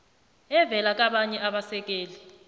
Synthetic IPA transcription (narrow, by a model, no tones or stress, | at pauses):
ɛvɛlak̬ʼaɓaɲɛʔaɓasɛk̬ʼeːli